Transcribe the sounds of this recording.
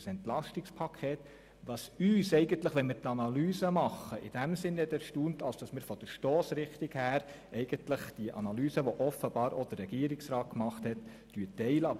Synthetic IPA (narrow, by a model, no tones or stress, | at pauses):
sɛntlɑʃtɪkspʰɑkʰeːt | ʋɑsyːsɛɪɡəntləχʋɛnmɪɾt̪ɑnɑlyːsəmɑχːəʔɪd̥æmsɪnhɛt̪æɾʃtuːntɑlsd̥ɑsmɪɾfɔd̥̪əɾʃtɔːsɾɪχt̪ɪɡhæːɾ | ɛɪɡ̥əntləχd̥iəʔɑ̰nɑlyːsəʋɔʔɔfəb̥ɑːɾʔod̥əɾrɾɛɡ̥iəɾɪksɾɑːt̚kmɑχthɛtː | yːətːɛɪləɑ